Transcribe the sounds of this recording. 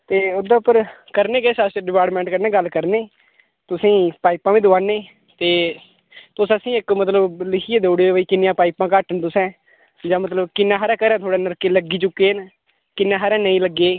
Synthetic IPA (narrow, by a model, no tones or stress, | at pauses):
t̪eːʊd̪aːʊpəɾkəɾneːkeːsəsɖɪpaːɾʈmɛ̃ːɳʈkəɾnẽːɡəlːkəɾneː | t̪ʊsĩːpaːipãːʋĩːd̪ʊʋaːneː | t̪eː | t̪ʊsəsĩːɪkmət̪ləblɪkʰiːeːd̪oːɽeːʋəiːkɪnɪjãːpaːipãːkaːʈənt̪ʊsɛ̃ː | d͡ʒãːmət̪ləbkɪnːãːɦəɾɛ̃ːkəɾɛ̃ːt̪ʰoːɽaːnəɾkeːləɡiːt͡ʃʊkːeːn | kɪnːãːɦəɾɛ̃ːnəĩːləɡeː